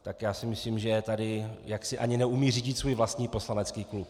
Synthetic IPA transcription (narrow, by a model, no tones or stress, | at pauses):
t̪akjaːsɪmɪsliːmʒɛt̪adɪjaksɪʔa̰ɲɪnɛumiːriːɟɪt̪svuːjvlast̪ɲiːpo̞slanɛt͡skiːklup